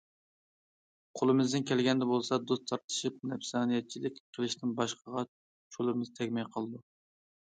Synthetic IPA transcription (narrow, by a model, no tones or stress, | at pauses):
qʰolˠɨmɪzd̪ɪnkʲɛlɡʲɛnd̪ɛbolˠsɑd̪ost̪ʰɑɾt̪ɨ̥ʃip̚nɛpsɑːnijɛt̪̚t͡ʃʰilɪkʲqʰəlˠɨʃnɪnbɑʃqəʁɑ | t͡ʃʰolˠɨmɨzt̪ʰɛkʲmɛjqʰəlˠɨd̪u